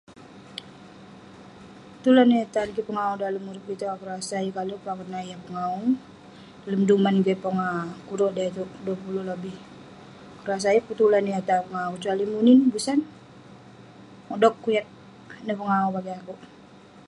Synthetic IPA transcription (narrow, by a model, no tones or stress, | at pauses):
pət̪ulaniat̪ankipəŋaudaləmuɾup̚bit̪aakəɾasaikalupakərnaijapəŋau | ləmdumanɡapɔŋakuɾɔʔdait̪uʔduapululɔbih | kəɾas̬aiput̪ulaniat̪apəŋaut͡ʃualimuninbusan | ɔdɔkːujat̪̚ | nəpəŋaubaɡiaku